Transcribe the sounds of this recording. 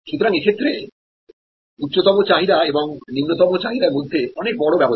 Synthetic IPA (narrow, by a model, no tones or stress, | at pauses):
ʃut̪oɾaŋekʰet̪ːɾe | ut̪ːɕot̪ɔmot͡ɕaɦiɾaeboŋnimnot̪ɔmot͡ɕaɦiɾaɾmod̪ʱːeɔnek̚bɔɽobɛbo